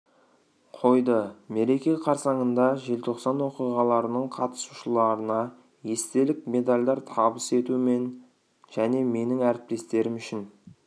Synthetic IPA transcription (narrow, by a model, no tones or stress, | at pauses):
qʰo̞jd̪əme̞ɾe̞kʲeqʰɑɾsɑɴənd̪ɑʒe̞lt̪ʰo̞qsɑnwo̞qijʁɑlˠɑɾənəɴqʰɑt̪ə̥suʃəlˠɑɾənɑ | je̞st̪e̞lɪkme̞d̪alʲd̪ɑɾt̪ʰɑbəse̞t̪ume̞n | ʒ̥æne̞me̞nɪŋæɾɪp̚t̪e̞st̪e̞ɾɪmʏʃɪn